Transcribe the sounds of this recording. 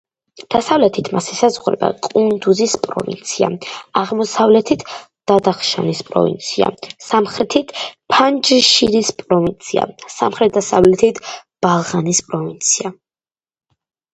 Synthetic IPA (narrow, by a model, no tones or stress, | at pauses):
d̪̥asavlɛt̪ʰit̪ʰmasɛsazʁuɾɛ̰ba̰kʼund̪uzispʼɾɔ̰vḭnt̪sʰia̰aʁmɔsavlɛt̪ʰit̪ʰ | d̪̥ad̪aχʃa̰nispʼɾɔ̰vḭnt̪sʰia̰samχɾɛt̪ʰit̪ʰpʰand͡ʒʃiɾispʼɾɔvint̪sʰia̰sa̰mχɾɛt̪̚d̪asavlɛt̪ʰit̪ʰb̥alˠʁanispʼɾɔvint̪sʰia